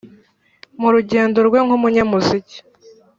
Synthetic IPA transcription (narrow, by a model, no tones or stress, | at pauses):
muɾuɟeːndo̞ɾɡwe̞ŋhumuɲamuzici̥